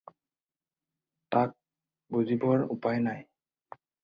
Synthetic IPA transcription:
tak̚ | buzibɔɹupajnaj

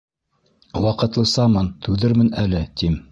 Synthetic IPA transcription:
wɑqɤ̆t̪lˠɤsɑmɑnt̪ʉðɘɾmɘnælɘt̪im

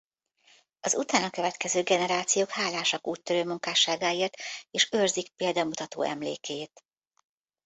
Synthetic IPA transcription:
ɒzut̪aːnɒkøvɛt̪kɛzøːɡɛnɛɾaːt̪sijoːkhaːlaːʃɒkuːct̪ːøɾøːmuŋkaːʃaːɡaːeːrt̪eːʃørzikpeːld̪ɒmut̪ɒt̪o̰ːʔɛ̰mlḛːkeːt̪

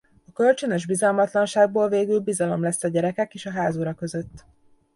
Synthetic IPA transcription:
ɒkø̞lt͡ʃønøʒbizɒlmɒt̪lɒnʃaːɡ̚boːlveːɡylbizɒlo̞mlɛsːɒɟɛɾɛkɛkeːʃɒɦaːzoːɾɒkø̞zøt̪ː

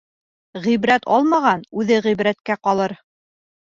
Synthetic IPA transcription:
ʁiβɾæt̪ʰɑ̰lˠmɑʁɑnʉðɘʁiβɾæt̪kæqɑlˠɤɾ

